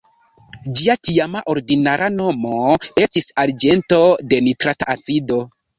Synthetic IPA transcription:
d͡ʒiatiamaʔo̞ɾdinaɾʔano̞mo̞e̞stisaɾd͡ʒe̞nto̞de̞nitɾataat͡sido̞

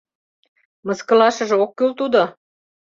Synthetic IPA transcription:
mɤ̆skɤ̆lɑʃɤ̆ʒĕokːylt̪ud̪o

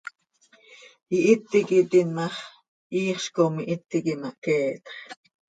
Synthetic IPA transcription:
jiʔit̪ːikit̪inmɑχ | iːχʃkomiʔit̪ːikimɑʔkɛːt̪χ

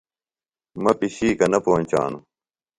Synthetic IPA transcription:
mɐpiɕiːkɐnɐpoːnʲt͡ɕa̰ːnu

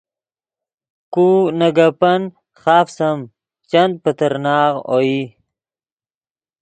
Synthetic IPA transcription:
kunɐɡapɐn | χɑːfsɐm | t͡ɕɐnd̪̚pət̪ɐɾnaːʁo̰i

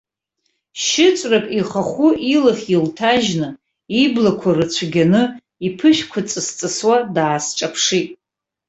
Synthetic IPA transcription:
ʃɪt͡ʃʷʼrakʼiχaχʷuʔilaχʲiltʰaʒnɨ | iblakʷʰarɨt͡ɕʷʰɡʲanɨ | ipʰɨʃᶣkʷʰat͡sʼɨst͡sʼɨswadaːsʈ͡ʂʼapʰʂitʼ

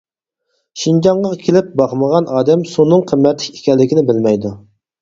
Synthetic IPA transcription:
ʃind͡ʒɑɴʁɑkʲʰelɪp̚bɑχməʁɑnɑːd̪ɛmsunːɨŋqʰəmːɛt̪lɪkʲe̥kʲʰɛlːɪkʲinɪbɪlmɛjd̪u

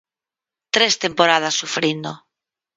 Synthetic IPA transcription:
t̪ɾest̪empoɾað̞asːufɾind̪o

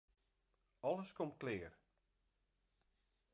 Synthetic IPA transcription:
ɔləskomklɪːər

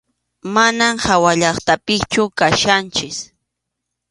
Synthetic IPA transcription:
manamhawaʎɑχt̪apɪkt͡ʃʊkaʃant͡ʃɪs

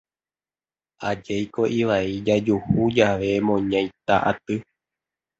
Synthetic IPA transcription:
ʔad͡ʒejko̞ʔiʋaid͡ʒad͡ʒuhud͡ʒaʋe̞mõɲãj̃t̪aʔat̪ɨ

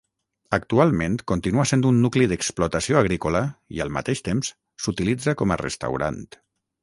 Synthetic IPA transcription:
əkt̪ualˠmẽnt̪kont̪inuasend̪unːukliðəksplut̪asioaɣɾikoləḭəlˠma̰t̪eʃt̪ems | sut̪ilid͡zakɔma̰rə̰st̪a̰wɾa̰nt̪

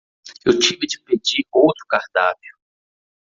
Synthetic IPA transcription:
ewt͡ʃivɪd͡ʒɪped͡ʒiowt̪ɾʊkahd̪avjʊ

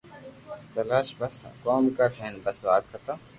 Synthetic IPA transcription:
t̪ɐlaːʃbɐskoːmkɐɾɦeːnbɐsʋaːt̪kʰɐt̪ɐ

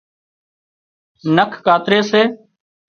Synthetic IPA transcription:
nəkʰkaːt̪ɾeːseː

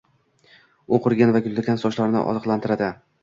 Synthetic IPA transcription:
oqʰʊɾɡʲanvaɡʲʊld̪ɪkʲʰansɒʃlaɾnɪ̰ʔɒ̰zɨqlˠant̪ʰɪɾad̪ɪ

